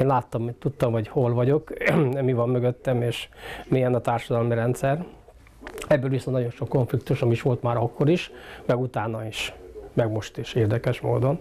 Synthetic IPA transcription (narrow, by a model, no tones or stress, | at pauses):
nlaːt̪ːɒmːit̪t̪ːut̪ːɒmɦɒɟho̞lvɒɟo̞kd̪ɛmivɒmːøɡøt̪ːɛmeːʃmiɛnɒt̪aːrʃɒd̪ɒlmiɾɛnt̪sɛr | ɛbːøːlʋisonnɒɟo̞nʃo̞kːo̞ɱflikt̪uʃɒmiiʃʋo̞lt̪maːɾɒkːo̞ɾiʃmɛɡut̪aːnɒiʃmɛɡmo̞ʃt̪eːʃeːrd̪ɛkɛʃmo̰ːd̪o̞n